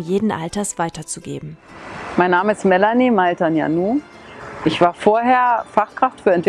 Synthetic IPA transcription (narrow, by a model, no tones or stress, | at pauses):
njeːdn̩ʔa̰ltɐsv̥aɪtɐt͡suɡḛːbm̩ | maɪnːaːməɪstmɛlanimaltanja̰nuː | ʔɪçv̥aːɐfoːɐɦeːɐfaχkʁ̥aftfyːɐɛntv̥